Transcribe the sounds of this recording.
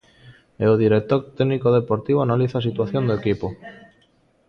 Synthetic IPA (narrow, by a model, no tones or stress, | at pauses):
eoðiɾek̚t̪oɾt̪eɣnikoðepoɾt̪iβ̞oanaliθasit̪waθjond̪oekipo